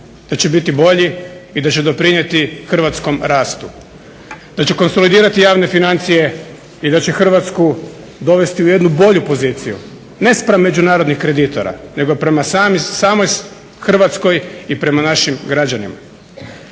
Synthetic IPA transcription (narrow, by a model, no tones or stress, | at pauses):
d̪̥at͡ɕe̞bit̪ibo̞ʎiid̪at͡ɕe̞d̪o̞pɾiɲje̞t̪ixr̩ʋat̪sko̞mɾaːst̪u | d̪̥at͡ɕe̞ko̞nso̞lid̪iːɾat̪ijaːʋne̞finant̪sije̞ | id̪at͡ɕe̞xr̩ʋat̪sku | d̪o̞ʋe̞st̪iuje̞d̪nubo̞ʎupo̞ziːt̪sijṵ | ne̞spɾamːe̞d͡ʒunaːɾo̞d̪nixkɾe̞d̪it̪oɾa̰ne̞ɡo̞pɾe̞masaːmisaːmo̞j | xr̩ʋat̪sko̞jipɾe̞manaʃimɡɾad͡ʑanḭma̰